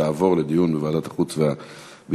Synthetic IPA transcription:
aːvo̞ʁled̪ijunbevaːdat̪ḁχut͡svea | bi

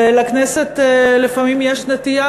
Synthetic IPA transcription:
lakneset̪ːlefamimjeʃnet̪ija

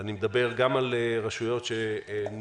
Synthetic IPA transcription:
animed̪abe̞ʁɡamaleʁaʃujo̞tʃen

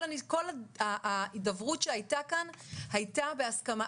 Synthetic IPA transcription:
aniko̞laaidavʁutʃehajtakanhajtabeaskama

